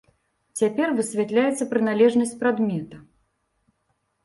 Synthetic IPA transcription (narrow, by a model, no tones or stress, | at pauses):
t͡sʲapʲɛrvɨsʲvʲat̪lʲajɛt̪sːɐpɾɨnalʲɛʐnɐsʲt͡sʲpɾad̪mʲɛt̪ɐ